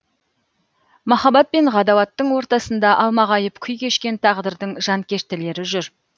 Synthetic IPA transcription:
mɑχɑbɑt̪̚pe̞nʁɑd̪ɑwɑt̪ːəɴwo̞ɾt̪ɑsənd̪ɑʔɑlˠmɑʁɑjəpkʲʰʏjkʲʰe̞ʃkʲe̞nt̪ʰɑʁd̪əɾd̪əɴʒ̥ɑŋkʲʰe̞ʃt̪ɪle̞ɾɪʒʏɾ

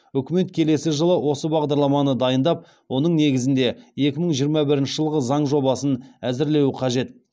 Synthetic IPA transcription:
ʏkʲɪme̞t̪kʲʰe̞le̞sɪʒəlˠəwʔo̞səbɑʁd̪ɑɾlˠɑmɑnəd̪ɑjənd̪ɑp̚ | wo̞nəɴne̞ɡʲɪzɪnd̪e̞je̞kʲɪməɴʒijəɾmɑbɪɾɪnʃɪʒəlˠʁəzɑɴʒo̞bɑsənæzɪɾle̞wɪqʰɑʒe̞t̪̚

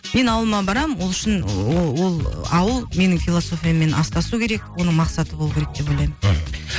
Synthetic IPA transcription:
me̞nɑwəlˠəmɑbɑɾɑmwo̞lˠʏʃɪnwo̞lˠɑwəlˠme̞nɪŋfʲilˠoso̞fʲijame̞nɑst̪ɑsukʲʰe̞ɾe̞kwo̞nəɴmɑqsɑt̪əbo̞lˠukʰʲeɾek̚d̪e̞pːolʲejmɪz

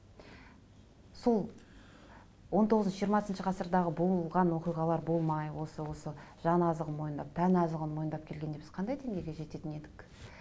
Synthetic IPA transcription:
so̞lˠ | wo̞nt̪oʁəzʒijəɾmɑsənʃəqʰɑsəɾd̪ɑʁəbo̞lˠʁɑnwo̞qijʁɑlˠɑɾbo̞lˠmɑjwo̞səwo̞səʒ̥ɑnɑzəʁənmo̞jənd̪ɑp̚t̪ʰænɑzəʁənmwojənd̪ɑp̚kʲʰe̞lɡʲed̪e̞bɪzqʰɑnd̪ɑjd̪eŋɡʲe̞jɡʲe̞ʒe̞t̪e̞t̪ɪne̞d̪ɪk

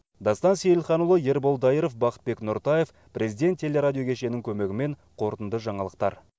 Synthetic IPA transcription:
d̪ɑst̪ɑnsejɪlˠχɑnulˠəje̞ɾbolˠd̪ɑjiɾofbɑqə̥t̪̚be̞knʊɾt̪ɑje̞f | prʔe̞zijd̪ʲe̞nt̪ʰːe̞le̞ɾadʲijo̞kʲʰe̞ʃe̞nɪŋkʲʰɵme̞ɡʲɪme̞ɴqʰo̞ɾt̪ənd̪əʒɑɴɑlˠəq̚t̪ɑ̰ɾ

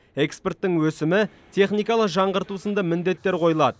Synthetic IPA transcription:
e̞kspe̞rt̪ːɪŋwɵsɪmɪ | t̪ʰe̞χnijkɑlˠəqʒɑɴʁəɾt̪usənd̪ɑmɪnd̪e̞t̪ːe̞ɾqʰo̞jəlˠɑd̪ə

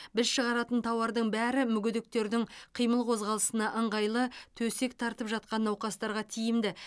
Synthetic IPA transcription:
bɪzʃəʁɑɾɑt̪ənt̪ʰɑwɑɾd̪əɴbæɾɪmʏɡʲɪd̪ɪk̚t̪e̞ɾd̪ɪŋqʰijməlˠqʰo̞zʁɑlˠəsənɑʔəɴʁɑjlˠət̪ʰɵse̞k̚t̪ʰɑɾt̪əpʒɑt̪̚qɑnːɑwqɑst̪ɑɾʁɑt̪ʰijɪmd̪ɪ

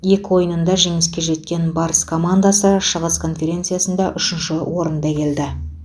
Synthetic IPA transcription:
je̞kʲwo̞jənənd̪ɑʒe̞ŋɪskʲe̞ʒe̞t̪̚kʲe̞nbɑɾəskʰo̞mand̪asəʃəʁəskʰo̞nfʲe̞ɾʲe̞nt̪sɨjasənd̪ɑʔʏʃɪnʃɪwo̞ɾənd̪ɑkʲʰe̞ld̪ɪ

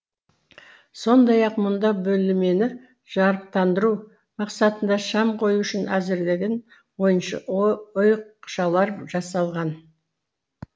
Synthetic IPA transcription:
so̞nd̪ɑjɑqmʊnd̪ɑbɵlɪme̞nɪ | ʒ̥ɑɾəp̚t̪ʰɑnd̪əɾu | mɑqsɑt̪ənd̪ɑʃɑmqʰo̞juʏʃɪnæzɪɾd̪eɡ̪ʲen | wo̞jənʃɑʊjqʃɑlˠɑɾʒɑsɑlˠʁɑn

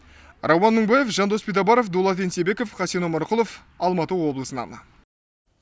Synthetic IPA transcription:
rʔɑwɑnːəŋbɑje̞fʒɑnd̪o̞spʲed̪ɑbɑɾofd̪olˠɑt̪ensebe̞kofχɑsenomɑɾqʊlˠof | ɑlˠmɑt̪əwo̞blˠəsənɑ̰n̰

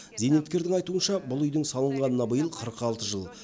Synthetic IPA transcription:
ze̞jnet̪kʲe̞ɾd̪ɪŋɑjt̪uənʃɑbʊlˠʏjd̪ɪŋsɑlˠəɴʁɑnənɑbəjəlˠqʰəɾəqɑlˠt̪əʒəlˠ

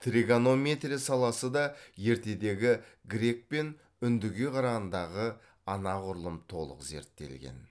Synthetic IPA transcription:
t̪riɡano̞mʲe̞t̪rʲijsɑlˠɑsəd̪ɑje̞ɾt̪e̞d̪e̞ɡʲɪɡɾʲe̞k̚pe̞n | ʏnd̪ɪɡʲe̞qʰɑɾɑʁɑnd̪ɑʁə | ɑnɑqʰʊɾlˠəmt̪ʰo̞̰lˠə̰qze̞̰ɾt̪ːe̞̰lɡʲe̞̰n

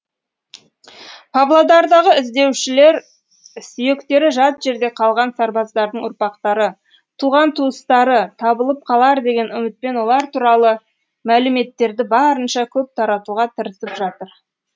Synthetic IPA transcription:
pʰɑblˠod̪ɑɾd̪ɑʁəɪzd̪e̞wʃɪle̞ɾ | sʏje̞kt̪e̞ɾɪʒɑt̪ʒ̥e̞ɾd̪e̞qʰɑlˠʁɑnsɑɾbɑzd̪ɑɾd̪əɴʊɾpɑqt̪ɑɾə | t̪ʰuʁɑnt̪ʰuəst̪ɑɾət̪ʰɑbəlˠəp̚qʰɑlˠɑɾd̪e̞ɡʲe̞nʏmɪt̪̚pe̞nwo̞lˠɑɾt̪ʰuɾɑlˠə | mælɪme̞t̪ːe̞ɾd̪ɪbɑɾənʃɑkʲʰɵp̚t̪ʰɑɾɑt̪uʁɑt̪ʰəɾəsəpʒɑt̪əɾ

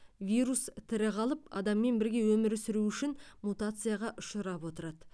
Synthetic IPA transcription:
vʲijɾust̪ʰɪɾɪʁɑlˠəpɑ̰d̪ɑmːe̞nbɪɾɡʲe̞wɵmɪɾʏsɪɾuʏʃɪnmut̪at̪sɨjaʁɑʔʊʃəɾɑpwo̞t̪əɾɑd̪ə

